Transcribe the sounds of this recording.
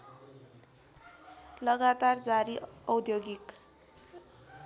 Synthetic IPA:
lʌɡat̪ard͡zaɾiʌwd̪joɡik

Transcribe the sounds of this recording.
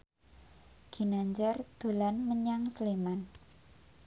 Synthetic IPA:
ɡ̥i̤naɲd͡ʒard̪̥o̤lanməɲaŋsleman

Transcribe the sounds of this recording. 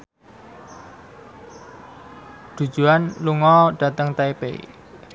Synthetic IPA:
ɖ̪̥ṳ̥d͡ʒ̥ṳanluŋɔɖ̥a̤t̪əŋt̪aepḛ

